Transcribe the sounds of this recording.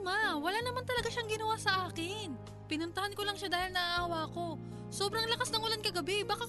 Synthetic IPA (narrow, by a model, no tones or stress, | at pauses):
mawɐlanɐmant̪ɐlɐɡaʃaŋɡɪnɐwasɐʔaːkɪn | pɪnʊnt̪ɐhankolɐŋʃad̪aːhɪlnɐʔaʔaːwako̞ | so̞ːbɾɐŋlɐkasnɐŋʔʊlankɐɡɐbɛbaːka